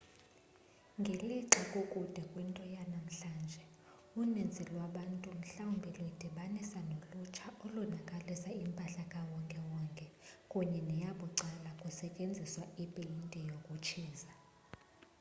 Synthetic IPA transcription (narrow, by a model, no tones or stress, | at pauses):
ŋɡʱeliǁɔkʼukʼud̥ʱɛkʼwintʼɔjanam̩ɬaːnd͡ʒʱɛ | unend͡zʱilwaɓantʼum̩ɬawumbʱilɔid̥ʱiɓanisanolut͡ʃʰaʔɔlunakʼalisaimpʼaɬakʼawɔŋkʼɛwɔŋkʼɛkʼuɲɛnɛjaɓuǀalakʼusɛcʼend͡zʱiswaipʼilintʼɛjokʼut͡ʃʰiːza